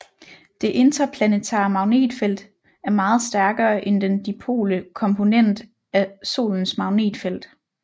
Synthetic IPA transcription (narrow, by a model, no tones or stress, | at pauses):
d̥e̝ʔe̝nd̥ʁɐpʰlænet͡sʰɑ̰̈ːmɑ̈ʊne̝̰ːd̥fel̰d̥ | æɐmɑ̈ːð̞̩ˠsd̥æɐɡ̥ɐːʔend̥end̥ipʰo̝̰ːləkʰɒ̽mpʰo̝nen̰d̥ | æso̝̰ːln̩smɑ̈ʊne̝̰ːd̥fel̰d̥